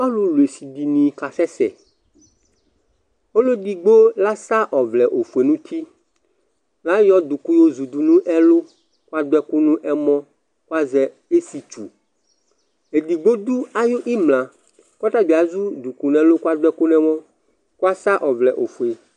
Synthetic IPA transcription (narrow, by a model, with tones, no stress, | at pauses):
a˦lu˦lu˨e˨si˨d̪i˨nĩ˨ka˨sɛ˦sɛ̰˨ | o˦lo˦d̪i˨ɡ͡bo˦la˦sa˦ʔɔ˨vlɛ˨ʔo˨fu˨e˨nũ˦t̪ʰi˦ | la˦jɔ˦d̪u˨ku˦jo˦zu˨d̪u˨nũ˦ʔɛ˦lo˦ | ko˦a˦d̪ɛ˦ku˦nũ˦ʔɛ˦mɔ̃˦ | ku˦a˦zɛ˨ | e˦si˨t͡ʃu˨ | e˨d̪i˨ɡ͡bo˦d̪u˦a˦jo˦ʔi˦mlã˨ | kɔ˦t̪a˦bi˨a˨zu˦d̪u˨ku˨nɛ̃˨lo˦ku˦a˦d̪ɛ˦ku˦nɛ̃˨wɔ̃˦ | ka˦sa˦ʔɔ˨vlɛ˨ʔo̰˨fu˨e˨